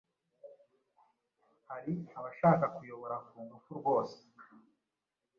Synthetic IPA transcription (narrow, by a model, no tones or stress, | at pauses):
haɾiaβaʃaːkakujo̞βo̞ɾakuːŋɡufuɾɡwo̞ːse̥